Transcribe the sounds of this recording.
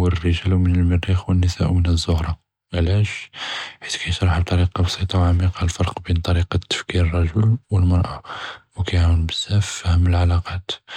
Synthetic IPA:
wərːəʒælwmənəlməɾːixwənːəsæʔwmənəzːʊhɾˤɑ | ʕlæʃħi̥t̪kʰæjət̪ɾˤɑħbt̪ˤɑɾiqɑbsˤit̪ˤɑwʕamiqɑlfɑɾˤqbint̪ˤɑɾiqɑt̪ːə̥fkiɾrˤːɑʒʊlwəlmɑɾˤʔɑwkæjʕawəlbəzːæfhəmːəlʕalɑqɑt̪

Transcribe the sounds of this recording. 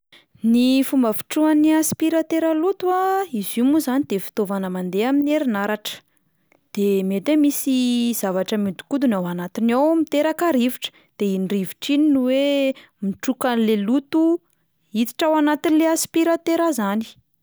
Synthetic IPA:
nifumbəfi̥ʈ͡ʂuaniaspiɾat̪eɾalut̪uaizimuzanid̪̥efi̥t̪ovanəmand̪eamineɾinaɾaʈ͡ʂə̥ | d̪̥emet̪emisiz̥avaʈ͡ʂəmid̪u̥kud̪unawanat̪inawmit̪eɾakaɾiviʈ͡ʂə̥ | d̪̥einiriviʈ͡ʂininuwe | miʈ͡ʂukanilelut̪u | it̪i̥ʈ͡ʂawanat̪inileaspiɾat̪eɾazani̥

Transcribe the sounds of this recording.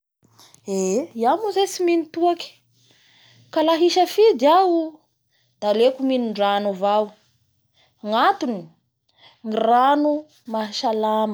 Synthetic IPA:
eiamuzesiminit̪uaki̥ | kalaɦiʃəfid̪iawu | d̪̥alekuminiɳɖ͡ʐanuvaw | ŋat̪uni | ŋiranu | maʃalam

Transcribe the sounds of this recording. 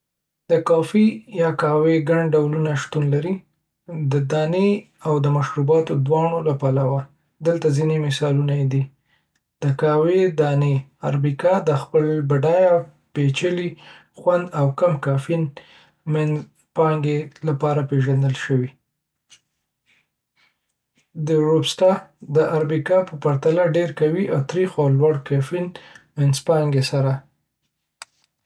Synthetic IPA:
d̪̥əkɑfijɑkɑweɡaɳɖawlunaʃt̪unlaɾi | d̪əd̪ɑne | awd̪əmaʃɾubɑt̪od̪wɑɳ̃olapalawa | d̪əlt̪azinemɪsɑlunajd̪i | d̪̥əkɑwed̪ɑneaɾbikɑd̪əxpəlbaɖɑja | pet͡ʃəli | xwand̪awkamkɑfin | mɪn | pɑŋɡelapɑɾapeʒand̪əlʃəwi | d̪əɾobsʈɑd̪əʔaɾbikɑpəpaɾt̪alaɖeɾkawiʔawt̪ɾixawlwaɽkafinmɪnspɑŋɡesaɾa

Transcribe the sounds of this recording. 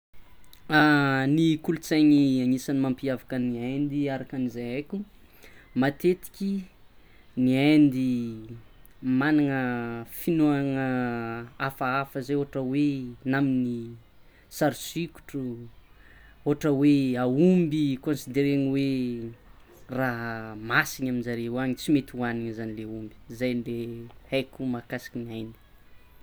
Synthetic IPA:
anikulut͡saɲiaɲisanimampiavakəniajnd̪iaɾakanizajakʲu | mat̪et̪i̥kʲi | niajnd̪i | manaŋəfinuaŋə | afaafəzeoɦaʈ͡ʂəwenamini | saɾisiku̥ʈ͡ʂu | oɦaʈ͡ʂəweaumbikõnsid̪eɾeŋiwe | raɦmasiɲaminzaɾeaɲit͡simet̪waniŋzanileumbi̥zajnlehajkʲumakasi̥kinajni̥

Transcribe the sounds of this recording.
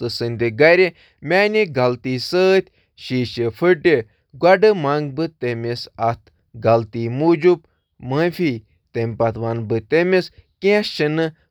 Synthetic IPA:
ɨsɨnʲd̪iɡɐɾʲe | mʲaːniɡɐlt̪iːsəːt̪ʲ | ʃiːʃefʰɨʈe | ɡwɐɖɨmaŋɡ̚bɨt̪emisɐt̪ʰ | ɡɐlt̪iːmuːd͡ʒup | mə̃fʲiː | t̪emʲpɐt̪ʋanbɨt̪emiskẽʃinɨ

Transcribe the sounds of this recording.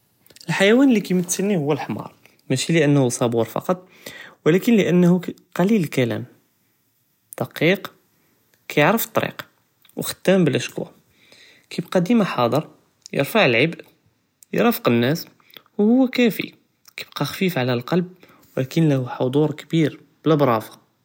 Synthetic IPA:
ʔəlħajæwænlːikæjmət̪səlnːihʊwːəlħmɑ̰ɾˤ | mæʃiləʔənːhusˤɑbuɾfɑ̰qɑt̪ˤ | wəlækənləʔənːhuqɑlilkælæ̰m | d̪̥ɑqiq | kæjəʕɾəft̪ˤːɑɾḭq | wəxt̪ːæmbəlʔəʃkwæ̰ | kʰibqɑd̪imaħɑd̪ˤəɾˤ | jə̰ɾfaʕəlʕəbʔ | jɾˤɑfə̥qənːæs | whʊwːækæfḭ | kib̥qɑxfifʕalælqɑlb̚ | wəlækənlæhuħod̪ˤuɾkəbiɾ | b̥ələbɾˤɑfɑ̥

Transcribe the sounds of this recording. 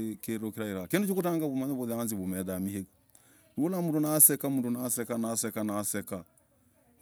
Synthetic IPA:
keɾokiɾaiɾakindut͡ʃokutaŋɡaβumaɲaβuðɛanziβumɛðamiheka | ɾolamundunasɛkamundunasɛkanasɛkanasɛka

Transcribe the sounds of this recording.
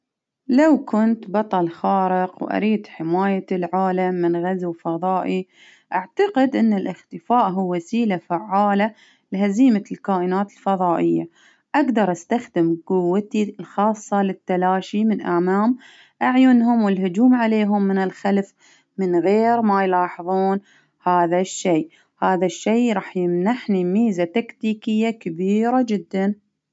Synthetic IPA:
lawkʊnt̪bɑt̪ˤɑlxɑːɾɪqwʔa̰ɾiːd̪ħɪmaːjalʕaːlamːɪnɣazwfɑðˤɑːʔi | ʔaʕt̪aqɪd̪ʔɪnːɪlʔɪxt̪ɪfaːʔɦuːasiːlafaʕːaːla | lɪhaziːmalkaːʔɪnaːt̪ɪ̥lfɑðˤɑːʔɪjːa̰ | ʔaɡd̪ɑɾˤʔast̪axd̪ɪmqʊwːat̪ilxɑːsˤːɑlɪt̪ːalaːʃimɪnʔamaːm | ʔaʕjʊnɦʊmwɪlhʊd͡ʒuːmʕaleːɦʊmːɪnɪlxalf | mɪnɣeːɾmajlɑːħɨðˤuːn | haːðaʃːeː | haːðaʃːeːɾˤɑːħjɪmnaħnimiːzat̪akt̪iːkɪjːakabiːɾad͡ʒɪd̪ːan

